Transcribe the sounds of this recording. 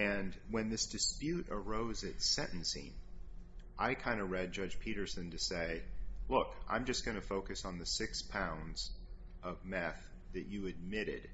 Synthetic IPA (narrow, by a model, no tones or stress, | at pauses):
ɨ̃nwɨ̃nðɪsd̥ɨspjʉɾə˞oʊzɨtsɛ̃nʔn̩sḭ̃n | ʔaɪkʰãɪ̃ndɨɹɛd̚d͡ʒʌd͡ʒ̥pʰiɾə˞sɨ̃ntɨseɪlʊkʔã̰ɪ̃md͡ʒʌsɡ̥ʌñɨfoʊkɨsn̩ðɨsɪkspʰãʊ̃ndz̥ | ʔʌvmɛθ | ðɨt͡ʃɨɨd̚mɪɾɪ̰d̥